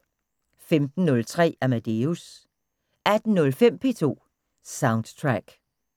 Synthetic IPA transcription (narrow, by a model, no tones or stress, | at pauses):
femd̥n̩ːɔ̽lt͡sʰʁɛ̰ːæmæd̥e̝us | æd̥n̩nɔ̽lfem̰pʰe̝̰ːt͡sʰo̝̰ː | sɑ̈ʊnd̥t͡sʰʁaɡ̥